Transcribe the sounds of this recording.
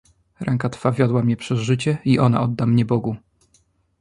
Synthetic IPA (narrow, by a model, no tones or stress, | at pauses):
ɾɛŋkat̪favʲjɔd̪wamɲɛpʂɛzʐɘt͡ɕɛiʔɔna̰ɔd̪ːamɲɛbɔɡu